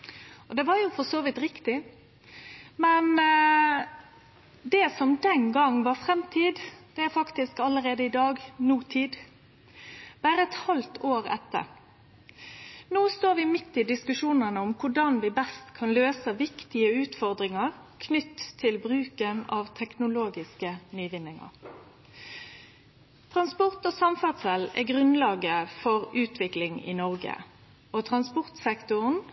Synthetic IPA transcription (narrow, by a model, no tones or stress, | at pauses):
ɔd̪ɛʋɑɾjʊfɔsoːʋɪt̪ɾɪkt̪ɪ | mɛn | d̪ɛsɔmd̪ɛnɡɑŋːʋɑɾfɾɛmt̪ʰiːd̪d̪̥ɛæɾfɑkt̪ɪskɑlːəɾeːd̪əɪd̪ɑːɡnuːt̪ʰiːd̪ | b̥æːɾəɛt̪hɑlt̪ʰoːɾɛ̰t̪ːə̰ɾ | noːst̪oːɾʋɪmɪt̪ːɪd̪ɪskʉʂuːnənəʊmkʰʊɖɑnʋɪbɛst̪kʰɑnløːsəʋɪkt̪ɪəʉːt̪fɔʁd̪ʁɪŋɑʁ | kʰnʏt̪ʰːɪlbʁʉːkənɑːʋt̪ʰɛknʊloːɡɪskənyːʋɪnɪŋɑ̰ʁ | t̪ʰʁɑnspʊʁt̪oːsɑmfɑʁd̪sɛlɛ̰ɡʁʉnlɑːɡəfɔʁʉːt̪ʋɪklɪŋɪ̰nɔʁɡə̰ | oːt̪ʰʁɑnspʊʁt̪sɛkt̪ʊʁn